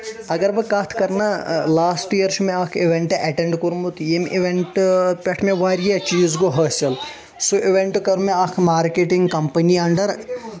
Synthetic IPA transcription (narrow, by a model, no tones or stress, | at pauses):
ɐɡɐɾbɨkaːt̪ʰkɐɾnalaːsʈijɐɾʃmẽaːkʰiʋeɳʈeʔɛʈeɳɖkoɾumut̪jemʔiʋeɳʈpʲeʈʰmẽʋaːɾijɐt͡ʃiːzɡoɦɐːsɐl | suʔiʋeɳʈkɐɾmeaːkʰmaːɾkeʈiŋɡkɐmpɐniɐɳɖɐɾ